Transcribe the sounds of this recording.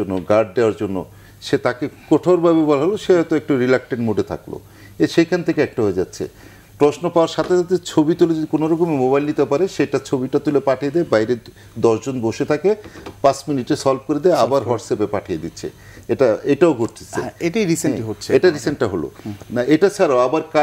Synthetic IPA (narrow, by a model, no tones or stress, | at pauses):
onːoɡaɾɖ̚ɖeoaɾd͡ʑonːo̰ | ʃet̪akekoʈʰaɾbʱabebɔlaɦoloʃeɔt̪oɛk̚ʈuɾilak̚ʈeɳʈmuɖʱet̪ʰa̰klo̰ | eʃejkʰant̪ʰekeɛk̚ʈaɦoed͡ʑatːɕʰḛ | pɾosnopaoaɾʃat̪ʰeʃat̪ʰet͡ɕʰobit̪uled͡ʑod̪ikonoɾɔkomemobajlnit̪epaɾeʃeʈat͡ɕʰobiʈat̪ulepaʈʰied̪ɛebajɾe | d̪ɔʃd͡ʑonboʃet̪ʰakepasminiʈesɔlb̚koɾed̪ɛeabaɾɦɔɖsepepaʈʰijed̪itːɕʰḛ | eʈaeʈaoɡʱoɾt̪ʰe̥t͡ɕʰeeʈaiɾiseiɦot͡ɕʰeeʈaɾiseɳʈ̚ʈaɦolo̰naʔeʈat͡ɕʰaɾaabaɾka